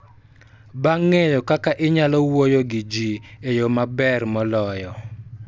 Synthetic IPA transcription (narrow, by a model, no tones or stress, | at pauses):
baŋːejɔkakaʔɪɲalɔwojoɡɪd͡ʒiejomabɛrmɔlɔjɔ